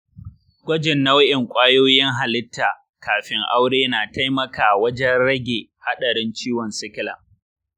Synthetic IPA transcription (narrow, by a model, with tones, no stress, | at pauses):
ɡʷɐ˦d͡ʒɪ˨nːa˦wɐ˦ʔɪ˨ŋkʷʼaː˦joː˦jɪ˦ŋɦa˨lɪ˦tʰːaː˨ | kaː˨ɸɪ˦ŋʔa˦wɽeː˦naː˨tʰa˦jmɐ˦kaː˨wɐ˦d͡ʒɛ˦nɽɐ˦ɡʲeː˨ha˦ɗɐ˨ɾɪ˦nt͡ʃiː˦wɔ˨nsɪ˦kʲɪ˦la̰ː˨